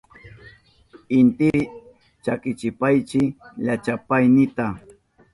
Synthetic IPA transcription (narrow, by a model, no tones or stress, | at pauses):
ɪnt̪ɪ | t͡ʃakɪt͡ʃɪpajt͡ʃɪʎat͡ʃapajnɪt̪a